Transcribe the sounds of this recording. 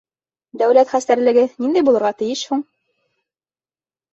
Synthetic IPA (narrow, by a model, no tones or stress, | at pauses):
d̪æwlæt̪χæst̪æɾlɘ̆ɡɘnind̪æjbulˠɤ̆ɾʁɑt̪ɘ̆jɘʃhuɴ